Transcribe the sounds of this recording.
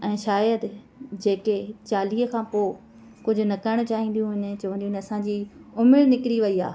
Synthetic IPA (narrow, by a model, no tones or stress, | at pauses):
ɛ̃ːʃaːjəd̪ | d͡ʑeːket͡ɕaːliːɦəkʰãːpoː | kʊd͡ʑʱʊnɐkaɪɽ̃t͡ɕaːɦĩːn̆d̪ijũɦɪn̆t͡ɕɐʋə̃nd̪ĩũɪnɐsãd͡ʑiːʊmɪɽnɪkɾiʋɐia̰ː